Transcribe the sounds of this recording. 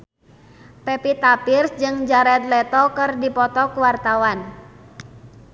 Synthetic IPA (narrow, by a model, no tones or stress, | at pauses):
pɛpit̪apirsd͡ʒɨŋd͡ʒaɾɛt̪̚lɛt̪ɔkɨrdipɔt̪ɔkuwart̪awan